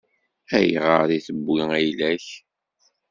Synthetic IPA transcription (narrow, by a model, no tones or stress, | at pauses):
æjʁəɾiθəbːiæjlæç